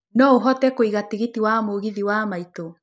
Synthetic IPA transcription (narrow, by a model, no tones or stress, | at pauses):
nɔoɦɔtɛkoiɣatiɣetiwamoɣiðiwamaito